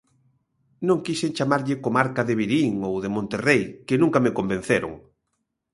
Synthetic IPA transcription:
nõŋkiseŋt͡ʃamaɾʎɪkomaɾkaðeβ̞iɾiŋowðemõnt̪erejkɪnũŋkamɪkombẽn̟θeɾo̰ŋ

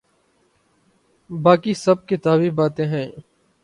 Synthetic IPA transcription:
baːkiːsəb̚kɪt̪aːbibaːt̪ẽːɦɛ̃ː

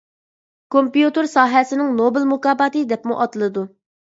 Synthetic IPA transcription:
kompijut̪ɨɾsɑːɦɛsɪnɪŋnobɪlmukɑːbɑt̪ɨd̪ɛpmuʔɑt̪ɨlˠɨd̪u

